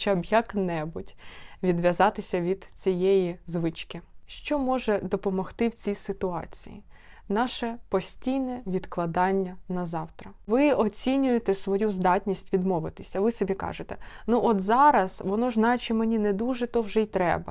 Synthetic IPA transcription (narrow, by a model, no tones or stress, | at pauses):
t͡ʃabjɐknɛbʊtʲʋʲid̪ʋʲjɐzɑt̪ɪsʲɐʋʲid̪t͡sʲijɛjizʋɪt͡ʃkɪʃt͡ʃɔmɔʒɛd̪ɔpɔmɔxt̪ɪwt͡sʲijsɪt̪ʊɑ̰t͡sʲḭjḭ | nɑʃɛpɔsʲtʲijnɛʋʲid̪klˠɐd̪ɑnʲːɐnɐzɑwt̪ɾɐʋɪɔt͡sʲinʲʊjet̪ɛsʋɔjuzd̪ɑtʲnʲisʲtʲʋʲid̪mɔʋɪt̪ɪ̥sʲɐʋɪsɔbʲikɑ̰ʒɪt̪ɛnuʔɔt̪zɑɾɐzʋɔnɔʒnɑjet͡ʃɪmenʲinɛd̪uʒɛt̪ɔwʒɛit̪ɾɛ̰bɐ̰